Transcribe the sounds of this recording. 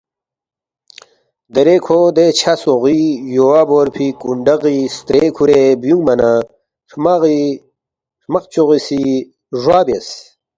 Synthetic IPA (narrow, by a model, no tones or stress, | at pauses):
d̪eɾekʰod̪et͡ɕʰasoʁijowaboɾpʰikuɳɖɐʁist̪ɾeːkʰuɾebjuŋɡmɐna | ʂmaʁi | ʂmɐqt͡ɕoʁisi | ʐwaːbjes